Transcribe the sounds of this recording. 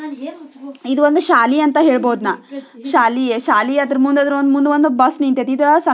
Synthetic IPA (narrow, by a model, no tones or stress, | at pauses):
id̪uʋond̪uʃaːliɐnt̪ɐɦe̞ːɭboːd̪naːʃaːliʃaːliɐd̪ɐɾmund̪eɐd̪ɐɾond̪umund̪eond̪ubɐsnint̪et̪id̪usɐ